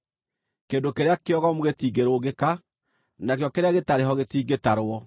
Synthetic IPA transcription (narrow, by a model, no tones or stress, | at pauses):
keːndokeɾeakeɔɣɔmoɣet̪iːɡeɾoːɣeka | nakeɔkeɾeaɣetaɾeɦɔɣet̪iːɡetaɾwɔ